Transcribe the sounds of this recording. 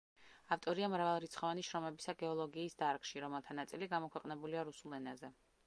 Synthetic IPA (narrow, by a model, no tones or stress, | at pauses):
aft̪ʼɔɾiamɾavalˠɾit̪sχɔvaniʃɾɔmɛbisaɡɛɔlˠɔɡiːsd̪aɾkʃiɾɔmɛlˠt̪ʰanat̪sʼiliɡamɔkʰwɛqʼnɛbuliaɾusulˠɛnazɛ